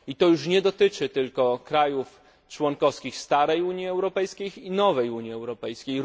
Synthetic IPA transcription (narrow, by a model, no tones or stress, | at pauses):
it̪ɔjuʂɲɛd̪ɔt̪ɘt͡ʂɘt̪ɘlkɔkɾajuf | t͡ʂwɔŋkɔfskʲixst̪aɾɛjuɲjiɛwɾɔpɛjskʲejinɔvɛjuɲjiɛwɾɔpɛjskʲej